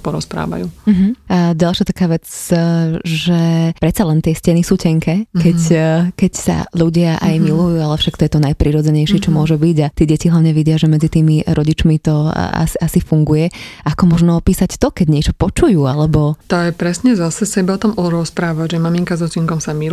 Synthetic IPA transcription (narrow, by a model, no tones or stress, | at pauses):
pɔɾɔspɾa̰ːʋa̰jṵːm̩ɦ̩aɟalʃat̪akaːʋɛt͡s | ʒɛpɾɛt̪t͡salɛnt̪ɪɛscɛnisuːcɛŋkʰɛkɛckɛcsa̰ʎuɟɪaʔa̰jmilujuːalɛfʃakt̪ɔjɛt̪ɔnajpɾiːɾɔd͡zɛɲɛjʃɪɛt͡ʃɔmʊɔʒɛbiɟat̪ɪɛɟɛciɦlaʊɲɛʋiɟɪaʒɛmɛd͡zit̪iːmiɾʔɔɟit͡ʃmit̪ɔ̰a̰siasifuŋɡujɛakɔmɔʒnɔɔpiːsact̪ɔkɛɟɲɪɛt͡ʃɔpɔt͡ʃujuːalɛbɔt̪ɔjɛpɾɛsɲɛzasɛsɛbaɔt̪ɔmɔɾɔspɾaːʋaɟʒɛmamiŋkazɔt͡ʃiŋkɔmsami